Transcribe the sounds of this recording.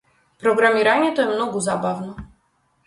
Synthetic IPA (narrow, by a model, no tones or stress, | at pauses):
pɾɔɡɾamʲiɾaɲɛt̪ɔɛmnɔɡɔzabavnɔ